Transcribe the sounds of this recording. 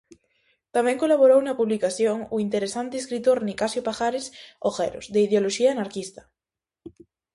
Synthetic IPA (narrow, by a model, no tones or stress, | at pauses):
t̪amẽŋkolaβoɾownapuβlikaθjoŋuint̪eɾesant̪eːskɾit̪oɾnikasjopaxaɾesoxḛɾo̰zðeiðeoloʃiaːnaɾkist̪ḁ